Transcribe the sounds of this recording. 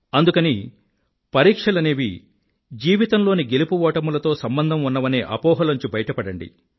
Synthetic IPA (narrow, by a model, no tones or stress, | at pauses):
ɐnd̪ukɐni | pɐɾiːkʂɐlɐneːʋi | d͡ʒiːʋit̪ɐmlo̞ːniɡe̞lupuʋɔːʈɐmulɐt̪o̞ːsɐmbɐnd̪ʱɐmunːɐʋɐneːʔɐpɔːɦɐlɐɲt͡ʃubɐjɐʈɐpɐɽɐɳɖḭ